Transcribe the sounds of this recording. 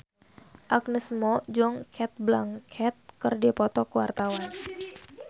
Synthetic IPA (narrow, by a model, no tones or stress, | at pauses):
ʔak̚nəsmɔd͡ʒɔŋkʰɛt̪̚blaŋkʰɛt̪̚kərdipɔt̪ɔkuwa̰rt̪awan